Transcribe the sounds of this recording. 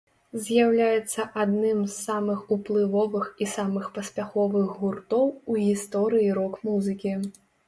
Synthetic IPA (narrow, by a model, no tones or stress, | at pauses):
zʲjawlʲajɛt̪sːɐʔad̪nɨmzːamɨxuplˠɨvɔvɨxisamɨxpɐsʲpʲaxɔvɨɣɣurt̪ɔwuɣʲist̪ɔɾɨjiɾɔkmuzɨkʲi